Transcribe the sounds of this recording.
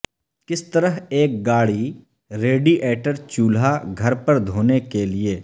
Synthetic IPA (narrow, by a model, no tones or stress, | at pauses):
kɪst̪əɾəɦeːk̚ɡaːɽi | ɾeːɖiʔɛːʈəɾt͡ʃuːlaɡʱɐɾpəɾd̪ʱoːnekelieː